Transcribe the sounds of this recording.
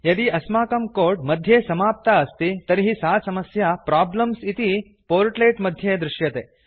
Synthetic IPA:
jɐd̪iɐsmaːkɐmkoːɾɖmɐd̪ʱjeːsɐmaːp̚t̪aɐst̪it̪ɐɾiɦisaːsɐmɐsjɐpɾaːblɐmsit̪i | poːɾʈleːʈmɐd̪ʱjeːd̪ɾɪʃjɐt̪eː

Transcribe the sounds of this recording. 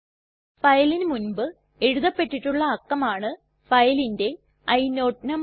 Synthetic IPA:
fɐjɐlinɨmunbɨ | eɻuðɐpːe̞ʈːiʈːuɭːɐːkːɐmaːɳɨ | fɐjɐlinde̞ | ɐjnoːʈnɐm

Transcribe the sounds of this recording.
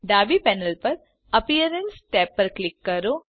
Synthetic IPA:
ɖaːbipɛːnəlpɐɾ | ɐpijəɾənsʈɛːpːɐɾklɪkːɐɾoː

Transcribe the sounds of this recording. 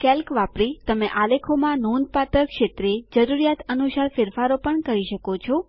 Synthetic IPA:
kɛlkʋapɾit̪əmeʔalekʰomãnon̚pat̪əɾkʃet̪ɾed͡ʒəɾuɾijat̪ənusaɾfɪɾfaɾopəɳkəɾiʃəkot͡ʃʰo

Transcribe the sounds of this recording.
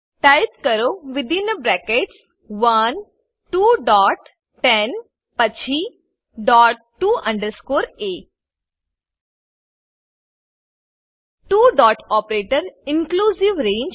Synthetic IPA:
ʈaɪpkəɾoʋɪd̪ɪ̃nəbɾɛːkeʈs | ʋɐn | ʈuːɖɔːʈ | ʈɛn | pɐt͡ʃʰi | ɖɔːʈʈːuːʔɐ̃ɳɖəɾskoːɾeː | ʈuːɖɔːʈɔːpɾeːʈəɾɪ̃ŋkluːsiʋɾẽːɲd͡ʒ

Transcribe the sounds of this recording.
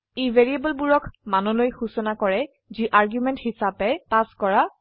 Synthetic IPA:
ivʱeɹiebɔlbuɹɔkʰmanɔlojxusɔnakɔɹɛ | ziʔaɹɡjumɛnthisapɛpaskɔɹa

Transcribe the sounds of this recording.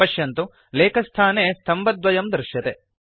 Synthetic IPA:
ɐʃjɐnt̪u | leːkʰɐst̪ʰaːneːst̪ʰɐmbɐd̪ʋɐjɐmd̪ɾʃjɐt̪e

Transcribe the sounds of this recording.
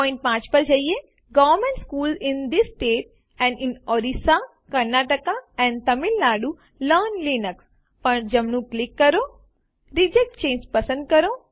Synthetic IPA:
pɔ̃ɪ̃ɳʈ̚pãːt͡ʃpɐɾd͡ʒɐije | ɡɔːʋəɾmẽɳʈskuːlɪ̃nd̪isːʈeːʈ̚ | ɛ̃ɳɖɪnɔɾisa | kɐɾnaːʈəkaɛ̃ːnt̪ɐmɪlːaːɖu | ləːnliːnəks | pɐɳd͡ʒɐmnũklɪkːɐɾoː | ɾid͡ʒek̚ʈ̚t͡ʃẽːnd͡ʒpɐsə̃nd̪̚kɐɾoː

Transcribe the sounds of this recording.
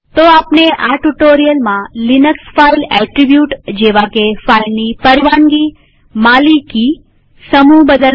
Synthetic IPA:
t̪oapneʔaʈuʈoɾijəlmãlinəksfailɛʈɾibjuʈd͡ʒeʋakefailnipəɾiʋanɡi | maliki | səmubəd̪ə

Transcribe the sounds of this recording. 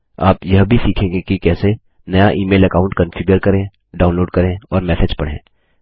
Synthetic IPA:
a̰ːpjɐɦbʱisiːkʰẽːŋɡekikɛːse | nɐjaʔiːmeːlɐkaːʊ̃ɳʈ̚kɐ̃nfɪɡjəɾkɐɾẽ | ɖaːʊ̃nloːɖ̚kɐɾẽɔ̰ːɾmɛːsed͡ʒpɐɽ̤ḛ̃ː

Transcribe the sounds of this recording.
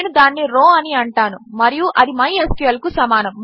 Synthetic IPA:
nud̪aːnːiɾoːɐniɐɳʈaːnumɐɾijuʔɐd̪imɐjesʈijɐlkusɐmaːnɐmː

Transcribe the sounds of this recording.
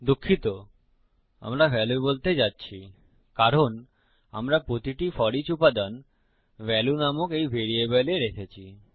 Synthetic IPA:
d̪ukʰːit̪o | a̰mɾabʱɛlubolt̪ed͡ʒatːɕʰi | kaɾon | a̰mɾapɾot̪iʈifɔɽit͡ɕupad̪an | ʋɛlunamokejbʱeɽiebɛleɾekʰet͡ɕʰi

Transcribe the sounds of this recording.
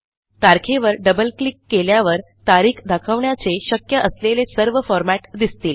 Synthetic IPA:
t̪aɾkʰeʋəɾɖəbəlklikːeljaʋəɾ | t̪aɾiːkʰd̪akʰəʋɳjat͡seɕəkjəʔəslelesəɾʋəfɔɾmæʈd̪ist̪iːl

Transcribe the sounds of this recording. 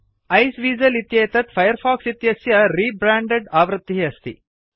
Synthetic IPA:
ɐjsʋiːzɐlit̪jeːt̪ɐt̪fʰɐjɐɾfʰaːksit̪jɐsjɐɾiːbɾaːɳɖeɖaːʋɾɨt̪ːiɦiɐst̪ḭ

